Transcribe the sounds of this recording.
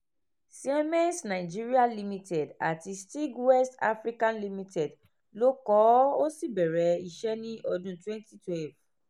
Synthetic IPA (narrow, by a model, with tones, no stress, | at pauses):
si˦ɛ˦mɛ̃˦nsnã˨i˨d͡ʒi˦ɾi˦a˦li˦mĩ˦tɛ˨da˨ti˧sti˦ɡwɛ˦sta̰˦fɾi˦kã˦nli˦mĩ˦tʰɛ˨d | lo˦kɔ˨˦o˦si˦bɛ˨ɾɛ˨˦i˧ʃɛ˦nĩ˦ʔɔ˧dũ˦twɛ̃˦nti˦twɛ˦lv